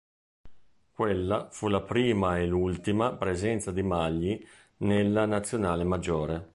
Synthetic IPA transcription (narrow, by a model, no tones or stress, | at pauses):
kwelːafulapɾiːmaelult̪imapɾezɛnt̪sad̪imaʎːi | nelːanat̪sːjonaːlemad͡ʒːoːɾe